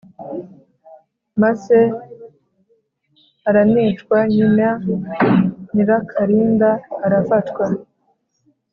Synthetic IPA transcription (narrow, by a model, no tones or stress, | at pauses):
mase | aɾanit͡ʃkwaɲima | niɾakʰaɾiːndaːɾafatkwa